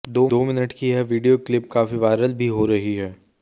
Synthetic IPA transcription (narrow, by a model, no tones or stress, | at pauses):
d̪oːoːmɪnəʈkiɛʋiːɖijoːklɪp̚kaːfiʋaːɪɾəlbʱiɦoːɾɐɦiɦɛː